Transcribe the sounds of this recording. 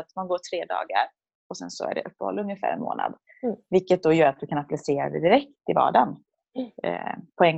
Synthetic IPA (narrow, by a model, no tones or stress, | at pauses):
at̪manɡoːʈʰɾeːd̪ɑ̰ːɡaɾ | ɔsɛnsɔæɖɛʔɵpːəhɔ̰lːəɵŋjəfæ̰ːɾɛnmo̰ːna̰d̪ | vɪlkːət̪̚d̪ɔjœːɾat̪̚d̪ɵkʰanaplaseːɾad̪ɛ̰d̪ɪɾɛkt̪ɪvɑ̰ːɖan | pʰɔɛŋ